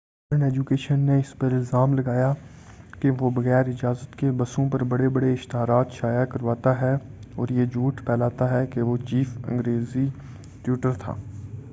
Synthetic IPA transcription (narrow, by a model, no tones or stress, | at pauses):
ɾəɳɛːd͡ʒuːkeːʃənːeɪspɐɾɪlzaːmlɐɡaːja | keʋobɐɣɛːɾɪd͡ʒaːzət̪kebɐsõpɐɾbɐɽebɐɽeɪʃt̪ɪɦaːɾaːt̪ʃaːjakɐɾʋaːt̪aɦɛ | ɔːɾjed͡ʒuːʈʰpʰɛːlaːt̪aɦɛkeʋot͡ʃiːfɐ̰̃ŋɡɾeːzi | ʈjuːʈəɾt̪ʰa̰ː